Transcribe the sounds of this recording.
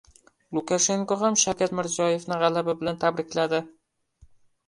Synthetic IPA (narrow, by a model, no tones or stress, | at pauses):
lˠʊkaʃe̞ŋkoɦamʃawkʲat̪mɪɾzɒjefnɪʁɑlabɪbɪlant̪ʰabɾɪkʲlad̪ɪ